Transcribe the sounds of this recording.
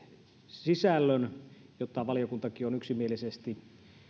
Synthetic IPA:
sisælːønjot̪ːɑʋɑlijokunt̪ɑkionyksimielisest̪i

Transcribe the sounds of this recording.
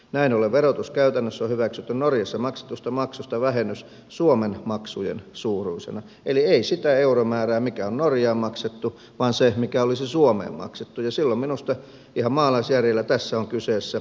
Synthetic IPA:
næinoleʋʋerot̪uskæyt̪ænːøsːohyʋæksyt̪ːynnorjɑsːɑmɑkse̥t̪ːust̪ɑmɑksust̪ɑʋæhenːys | suomenmɑksujḛnsuːruisḛnɑ | elieisit̪æeuromæːræːmikæonnorjɑːmmɑkset̪ːu | ʋɑːnsemikæolisisuomḛːmmɑ̰kset̪ːujɑsilːomminust̪ɑ | ihɑmmɑːlɑisjærjelːæt̪æsːæoŋkyseːsːæ

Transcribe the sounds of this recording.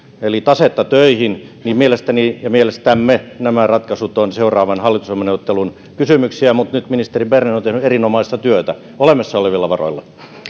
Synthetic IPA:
elit̪ɑset̪ːɑt̪øihin | nimmielest̪ænijɑmielest̪æmːenæmærɑt̪kɑsut̪onseurˑɑːʋɑnhɑlːit̪usomːeneuot̪ːelun | kysymyksiæmut̪nyt̪minist̪eribernenont̪ehnyerinomɑˑist̪ɑt̪yøt̪æ | olemːˑɑsːɑoleʋilːɑʋɑro̰ilːɑ

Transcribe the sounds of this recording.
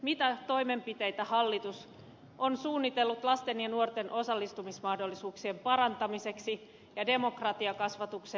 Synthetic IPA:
mit̪æt̪o̞ime̞mpit̪e̞jt̪æhɑlːit̪us | ʔonsuːnːit̪elːut̪lɑst̪enjɑnuo̞rt̪e̞nʔo̞sɑlːist̪umismɑhdo̞lːisuːksiempɑɾɑnt̪ɑmise̞ksi | jɑde̞mo̞krɑt̪iɑkɑsʋɑt̪ukse

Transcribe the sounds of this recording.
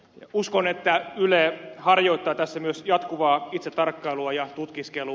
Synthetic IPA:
juskonet̪ːæylehɑrjoit̪ːɑːt̪æsːæmyøsjɑt̪kuʋɑːit̪set̪ːɑrkːɑiluɑjɑt̪ut̪kiskelu

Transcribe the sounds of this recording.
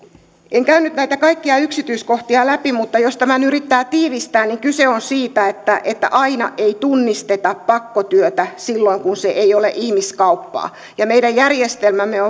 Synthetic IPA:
ʔeŋkæynyt̪næit̪ækɑikːiɑyksit̪yiskoht̪iɑlæpimut̪ːɑjost̪æmænyɾit̪ːæːt̪iːʋist̪æːnniŋkyseonsiːt̪æet̪ːæʔet̪ːæ̰ʔɑinɑ̰ʔeit̪unːist̪et̪ɑppɑkːot̪yøt̪æsilːoiŋkunseʔeijolḛʔihmiskɑupːɑ̰ː | jɑmeiɾæjjærjest̪elmæmːeo

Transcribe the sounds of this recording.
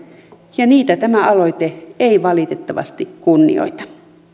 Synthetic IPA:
jɑniːt̪æt̪æmæɑloit̪eeiʋɑlit̪et̪ːɑʋɑ̰st̪ikkunːḭo̰it̪ɑ̥

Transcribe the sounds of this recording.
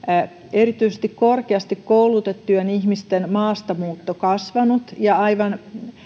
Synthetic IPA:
erit̪yisest̪ikkorkeɑst̪ikkoulut̪et̪ːueniçmist̪enmɑːst̪ɑmuːt̪ːokɑsʋɑnut̪jɑɑiʋɑn

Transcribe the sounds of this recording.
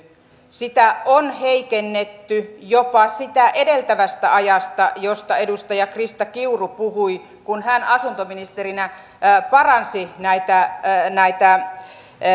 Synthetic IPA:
sit̪æonheikenːet̪ːyjopɑsit̪æʔedelt̪æʋæst̪æʔɑjɑst̪ɑjost̪ɑedust̪ɑjɑkrist̪ɑkiurupuhui | kunhænɑsunt̪ominist̪erinæ | pɑrɑnsinæit̪ænæit̪æ

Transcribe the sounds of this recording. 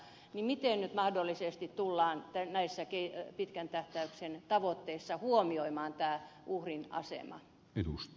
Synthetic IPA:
nimit̪ennyt̪mɑhdolːisest̪it̪t̪ulːɑːnt̪ænæisːækepit̪kænt̪æht̪æyksent̪ɑʋot̪ːeisːɑhuomioimɑːnt̪æːʔuhrinɑ̰sḛmɑ̰ | edust̪

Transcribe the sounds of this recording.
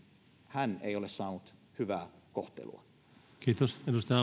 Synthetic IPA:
hænḛˑiolessɑːnut̪hyʋæːkoht̪ḛlṵɑ | kiːt̪osed̪ust̪eɑ

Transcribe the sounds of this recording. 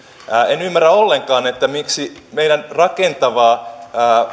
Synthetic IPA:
enymːæræolːeŋkɑːnet̪ːæmiksimeidænrɑkent̪ɑʋɑː

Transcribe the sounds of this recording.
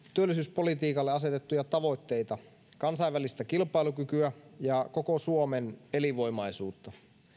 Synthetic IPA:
t̪yølːˑisyːspo̞lit̪iːkɑlːeɑse̞t̪et̪ːujɑt̪ɑʋo̞jt̪ːe̞jt̪ɑ | kɑnsɑiʋːælist̪ækilpɑilukykyæjɑko̞kosuomene̞liʋo̞imɑisuːt̪ːɑ

